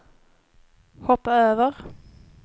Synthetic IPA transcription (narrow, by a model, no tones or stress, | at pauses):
hɔpːaøːvəʁ